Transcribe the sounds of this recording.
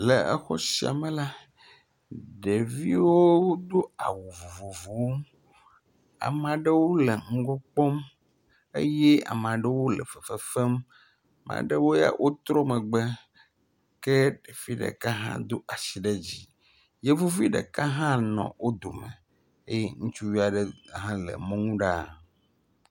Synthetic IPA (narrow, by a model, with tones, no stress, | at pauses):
le˨ɛ˦xɔ˦si˨a̰˨mẽ˨la˦ | ɖe˨vi˦wo˦d̪o˦a̰˨wu˨vo˨vo˨vo˨w | a̰˨mã˨ɖe˦wo˦le˨ŋ̩˦ɡɔ˦k͡pɔ˦m | ḛ˦jɛ˦a̰˨m˨ã˨ɖe˦wo˦lɛ̰˨fə˨fə˦fe˦m | mã̰˨ɖe˦wo˦ja̰˦wʔo˦t̪ɾɔ˦mɛ̃˨ɡ͡be˦ | kɛ˦ɖe˨fi˦ɖḛ˨ka˦ɦã̰˦d̪o˦ʔa˨si˨ɖe˦d͡ʑi˦ | je˦vo˦vi˦ɖḛ˨ka˦ɦã˦nɔ̰̃˨wo˦d̪o˨mḛ̃˨ | ḛ˦je˦ŋũ˦t͡ʃu˦wi˦a˨ɖe˦ɦã˦lɛ̰˨mɔ̃˦ŋũ˦ɖa˦˨